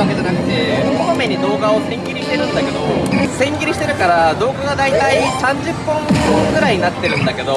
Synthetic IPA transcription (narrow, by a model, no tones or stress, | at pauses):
ake̞d͡ʑanakɯ̥t̪e̞koome̞ɲ̟id̪o̞ːɡao̞sẽ̞ŋɡʲiɾʲiɕi̥t̪e̞ɾɯ̟̃nd̪ake̞d̪oosẽ̞ŋɡʲiɾiɕi̥t̪eɾɯ̟kaɾad̪o̞ːɡaɡad̪ait̪aisãɲd͡ʑɨpːɯ̃ŋkõŋɡɯ̟ɾaiɲnat̪ːe̞ɾɯ̟̃nd̪ake̞d̪o̞